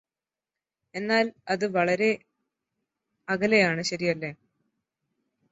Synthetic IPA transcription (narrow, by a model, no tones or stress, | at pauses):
e̞nːaːlɐðɨʋɐɭɐɾe̞ | ɐɣɐlejaːɳɨɕɐɾijɐlːe